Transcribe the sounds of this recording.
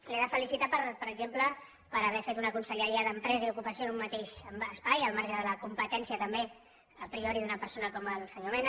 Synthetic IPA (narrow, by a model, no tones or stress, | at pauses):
leðəfəlisit̪apəɾpəɾəɡʒemplə | pəɾəβ̞ɛfet̪unəkunsəʎəɾiəðəmpɾɛzəiukupəsionumːət̪eʃəspajəlˠmaɾʒəðələkumpət̪ɛnsiət̪əmbe | əpɾiɔɾiðunəpəɾsonəkɔməlˠsəɲomen